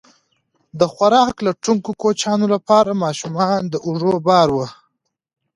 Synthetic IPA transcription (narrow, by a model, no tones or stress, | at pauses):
d̪əxwaɾɑklaʈuŋkokot͡ʃɑnolapɑɾamɑʃumɑnd̪əʔʊʐobɑɾwə